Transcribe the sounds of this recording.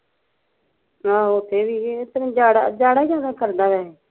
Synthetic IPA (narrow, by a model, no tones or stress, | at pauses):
aːʊt̪ʰeːbiːt̪əɾ̃ːd͡ʒaːɽa̰d͡ʒaːɽaːd͡ʒaːd̪aːkəɾd̪aːʋɛː